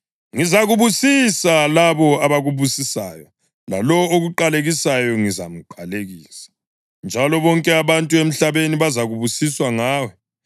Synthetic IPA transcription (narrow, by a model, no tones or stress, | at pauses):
ŋizaɣuβusisalaβɔaβaɣuβusisa̰ːjɔ | la̰lɔoɣuǃaleɣisajɔŋiza̰m̩ǃaleɣiːsḁ | nd͡ʒʱalɔβɔŋkʼɛaβantʼuem̩ɬaβeniβazaɣuβusiswaŋaːwɛ